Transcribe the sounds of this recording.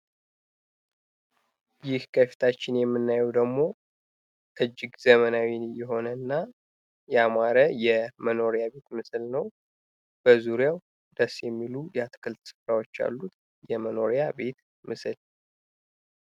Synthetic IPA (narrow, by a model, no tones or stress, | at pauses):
jɪhkʰəfi̥t̪ʰat͡ʃːɪnjɛmːɨnːajɛwd̪əɡmo̞ | t̪ʰəd͡ʒːɪɡzəmənawinjɛɦo̞nənːa | jɛamaɾəjɛməno̞ɾijabe̞t̪mɨslnəw | b̥əzuɾjaw | d̪əsjɛmːilujɛat̪kʰɨlt̪sɨ̥fɾawo̞t͡ʃːa̰lːut̪ | jɛməno̞ɾijabe̞t̪ | mɨsɨl